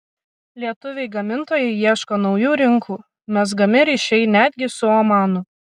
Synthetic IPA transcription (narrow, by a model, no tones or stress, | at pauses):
lʲiɛt̪ʊʋʲɛɪɡɐmʲɪnt̪oːjɛɪiɛʃkoːnɒʊjuːɾʲɪŋkʰuː | mʲɛs̬ɡɐmʲɪɾʲiʃʲɛɪnʲæːd̪ʲɡʲɪsʊɔmɑːnʊ